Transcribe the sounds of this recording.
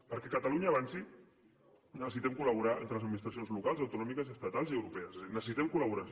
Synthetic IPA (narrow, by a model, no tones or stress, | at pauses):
pəɾkɛkət̪aluɲaːβansi | nəsəsit̪ɛmkuləβuɾaḛnt̪ɾələzəd̪minist̪ɾas̬ionzlukalˠzawt̪unɔmikəziəst̪at̪alˠziəwɾupɛəzezinəsəsit̪ɛmkulaβuɾa